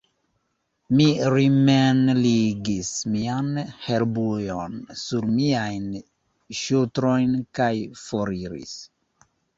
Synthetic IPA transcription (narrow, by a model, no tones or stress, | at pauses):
miɾimenliɡismianheɾbujonsuɾmiajn | ʃutɾojnkajfoɾiɾḭs